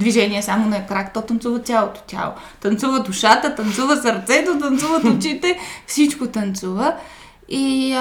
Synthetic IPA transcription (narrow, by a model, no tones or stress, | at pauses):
d̪viʒɛniɛsamonɐkɾakt̪ɔt̪ɐnt̪suvət̪ʲjalˠot̪o̥t̪ʲa̰lˠo̰t̪ɐnt̪suvəd̪uʃat̪ət̪ɐnt̪suvəsəɾt̪sɛt̪ot̪ɐnt̪suvət̪ʊt͡ʃit̪ɛfsit͡ʃkot̪ɐnt̪suvə | i